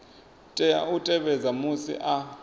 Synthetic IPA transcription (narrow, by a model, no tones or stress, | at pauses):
tʼɛa̰utʼɛɓɛzamusḭʔa